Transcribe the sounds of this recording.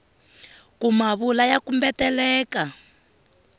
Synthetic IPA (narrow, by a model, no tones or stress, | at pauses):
kumaβulajakumbɛtɛlɛːka